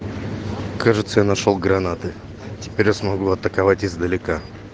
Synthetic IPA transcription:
kʰaʐɨt̪səjanɐʂolˠɡɾɐnat̪ɨ | tʲɪ̥pʲeɾʲjasmɐɡuɐt̪əkɐvatʲɪzd̪əlʲɪka

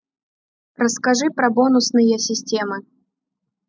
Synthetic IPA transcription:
rɐskaʐɨpɾɐbɔnusnɨjɐsʲisʲt͡sʲɛmɨ

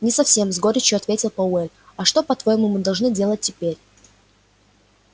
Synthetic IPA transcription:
nʲɪsɐfsʲe̞mzɡo̞ɾʲɪt͡ɕʊɐt̪vʲetʲɪlˠpɐɛlʲɐʂt̪o̞pɐt̪vojɪmumɨd̪ɐlˠʐnɨdʲe̞lˠət̚ʲːɪpʲeɾʲ

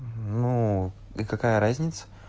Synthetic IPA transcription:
nu | ikakajəɾazʲnʲɪt̪sə̥

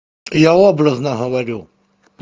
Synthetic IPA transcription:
jaobɾəznɐɦəʋɐɾʲu

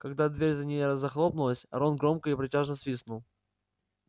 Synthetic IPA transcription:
kɐɡd̪ad̪vʲeɾʲzɐnʲɪjəɾəzːɐxlˠopnʊlˠəsʲɐ̰ɾonɡɾo̞mkəipɾʲɪtʲaʐnəsvʲisnʊlˠ

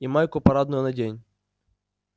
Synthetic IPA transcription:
imajkʊpɐɾad̪nʊjʊnɐdʲenʲ

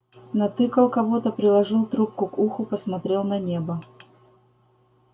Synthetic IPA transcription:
nɐt̪ɨkəlˠkɐvot̪əpɾʲɪlˠɐʐɨlˠt̪ɾup̚kʊkuxʊpəsmɐt̪ɾʲe̞lˠnɐnʲe̞bə

